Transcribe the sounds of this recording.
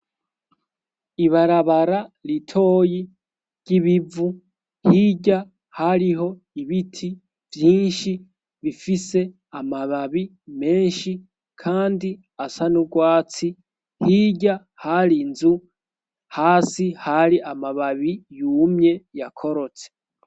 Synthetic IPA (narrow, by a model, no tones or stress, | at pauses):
iβaɾaβaɾaɾitʰo̞ːji | ɾɟ̥iβivu | hiɟa | haɾiɦo̞ | iβitʰi | vjiːnʃi | βifise̞ | amaβaβi | me̞ːnʃi | kʰaːndi | asanuɡwaːt͡si | hiːɟa | haɾinzu | haːsihaɾiʔamaβaβijuːmɲe̞jakʰo̞ɾo̞t͡se̥